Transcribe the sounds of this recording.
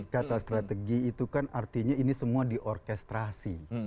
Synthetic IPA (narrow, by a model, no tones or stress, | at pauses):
kat̪ast̪ɾat̪eɡiːt̪ukanart̪iɲainisəmuadiʔɔrkɛst̪ɾasi